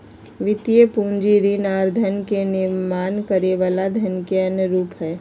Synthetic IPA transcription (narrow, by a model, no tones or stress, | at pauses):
ʋɪt̪ijəpũːnd͡ʒiɾinaːɾd̪ʱənkenɪɾmaːnkəɾeʋaːlad̪ʱənkeɐnjəɾuːpɦɛː